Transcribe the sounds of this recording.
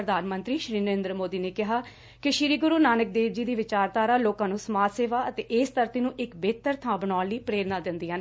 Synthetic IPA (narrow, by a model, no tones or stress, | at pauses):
ɾəd̪aːnmənt̪ɾiːʃɾiːnəɾɪ̃nd̪ɾəmoːd̪iːneːkɪɦaː | kɪʃɪɾiːɡʊɾuːnaːnək̚d̪eːʋd͡ʒiːd̪iːʋɪt͡ʃaːɾt̪aːɾaːloːkãːnũːsəmaːt̪seːʋaːət̪eːʔɪːst̪əɾt̪iːnũːʔɪkbeːt̪əɾt̪ʰãːbənaːnliːpɾeːɾnãːd̪ɪnd̪iːɦən